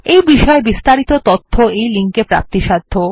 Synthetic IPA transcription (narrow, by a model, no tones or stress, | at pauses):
ejbiʃɔebist̪aɾit̪ot̪ot̪ʰːoejliŋkepɾa̰p̚t̪iʃad̪ʱːo